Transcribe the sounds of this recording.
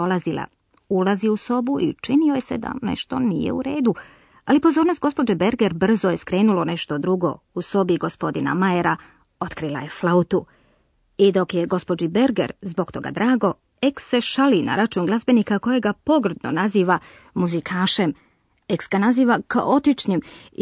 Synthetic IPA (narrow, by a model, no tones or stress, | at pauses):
olˠazilˠa̰ | ulaziuso̞buʔḭt͡ʃinio̞jese̞̰d̪a̰nḛʃt̪o̞̰nḭjḛṵɾe̞ːd̪u | alipo̞zoːɾnost̪ɡo̞spo̞d͡ʒebe̞ɾɡeɾbr̩zoje̞skɾe̞ːnulo̞ne̞ʃt̪o̞d̪ɾuɡo̞̰ | uso̞biɡo̞spo̞d̪ina̰majeɾa | o̞t̪kɾilˠa̰je̞flˠaut̪u | id̪o̞kje̞ɡo̞spo̞d͡ʒibe̞ɾɡe̞̰ɾzbo̞ɡt̪o̞ɡa̰d̪ɾaːɡo̞ | eksːe̞ʃalina̰ɾat͡ʃuːnɡlˠazbe̞nikako̞jeɡapo̞ɡr̩d̪no̞̰naziːʋa | muzikʰaːʃem | eksɡanaziːʋaka̰ʔo̞t̪it͡ʃɲim